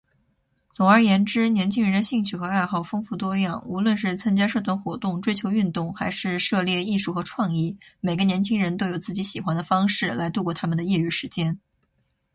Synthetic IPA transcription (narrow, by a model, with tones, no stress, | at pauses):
t͡sʊ˨˩ŋə˞˧˥jɛ˧˥nʈ͡ʂɻ̩˥njɛ˧˥nt͡ɕʰi˥ŋɻə˧nd̪ə˧ɕi˥˧ŋt͡ɕʰy˥˩xɤ˧˥a˥˧ɪxɑ˥˩ʊfɤ˥ŋfu˥˩t̪wɔ˥jɑ˥˩ŋu˧˥lwə˥˧nʂɻ̩˥˩t͡sʰa˥ŋt͡ɕja˥ʂɤ˥˧t̪ʰwa˥˩nxwɔ˧˥t̪ʊ˥˩ŋʈ͡ʂwe˥ɪt͡ɕʰjo˧˥ʊy˥˧nt̪ʊ˥˩ŋxa˧˥ɪʂɻ̩˥˧ʂɤ˥˧ljɛ˥˧i˥˧ʂu˥˩xɤ˧˥ʈ͡ʂʰwɑ˥˧ŋi˥˩me˨˩ɪɡə˦njɛ˧˥nt͡ɕʰi˥ŋɻə˧˥nt̪o˥ʊjo˨˩ʊt͡sɹ̩˥˩t͡ɕi˧˥ɕi˨˩xwa˥nd̪ə˨fɑ˥ŋʂɻ̩˥˩la˧˥ɪt̪u˥˧kwɔ˥˩t̪ʰa˥mə˨nd̪ə˩ji˥˧ɻy˥˩ʂɻ̩˧˥t͡ɕjɛ˥n